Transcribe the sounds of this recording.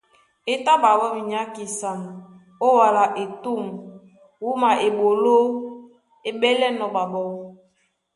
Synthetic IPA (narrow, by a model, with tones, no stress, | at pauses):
e˨ta˦ba˨bɔ˦mi˨ɲa˦ki˨sa˨n˨ | o˦wa˨la˨ʔe˨tu˦˨m | wu˦ma˨e˨ɓo˨lo˦ | e˨ɓɛ˦lɛ˦nɔ˨ba˨bɔ˨w